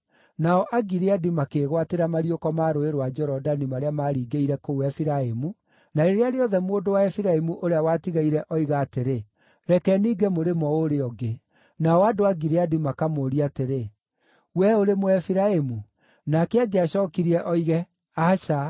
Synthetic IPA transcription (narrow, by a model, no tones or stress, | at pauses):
naɔʔaɡiɾeadimakeɣwateɾamaɾiokɔmaːɾoeɾwad͡ʒɔɾɔdanimaɾeamaɾiːɡeiɾɛkowɛfiɾaemu | naɾeɾeaɾeɔðɛmwodowaɛfiɾaemuʔoɾeawatiɣaiɾɛʔɔiɣaːteɾe | ɾɛkɛniːɡemoɾemɔoɾeɔɡe | naɔadoaɡiɾeadimakamoːɾiateɾe | wɛoɾemoɛfiɾaemu | nakɛaɡeaɕɔːkiɾiɛʔɔiɣɛ | aʃa